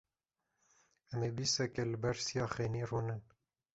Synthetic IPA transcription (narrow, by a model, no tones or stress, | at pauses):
ɛmeːbiːsɛkɛlɨbɛɾsijɑːxeːniːruːnɨn